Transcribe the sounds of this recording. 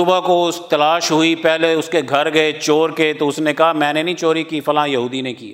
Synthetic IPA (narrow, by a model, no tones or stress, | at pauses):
ʊbakoʊst̪ɐlaːʃɦʊipɛɦleʊskeɡʱɐɾɡɐet͡ʃoːɾkeːt̪oʊsnekɐɦamɛ̃ːnenɐĩt͡ʃoːɾikiːfɐlãjɐɦuːd̪inekḭː